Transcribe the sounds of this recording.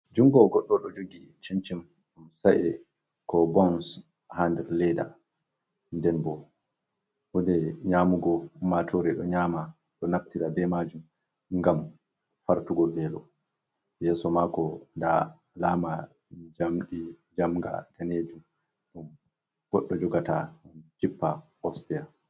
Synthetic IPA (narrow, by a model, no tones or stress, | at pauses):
d͡ʒuŋɡɔɡɔɗːɔɗɔd͡ʒoɡi | t͡ʃint͡ʃim | ɗumsaʔɛ | kɔbɔns | handɛɾlɛda̰ | ndɛnbɔ | wɔdɛɲaːmuɡɔmatʰɔɾɛɗɔɲaːma | ɗɔnaftiɾabɛmad͡ʒum | ŋɡam | faɾtuɡɔbɛlɔ | jɛːsɔmakɔnda | laːma | d͡ʒamɗi | d͡ʒamɡa̰d̥aned͡ʒum | ɗɔm | ɡ̥ɔɗːɔd͡ʒɔɡataɗunkipːa | ɔstɛɾ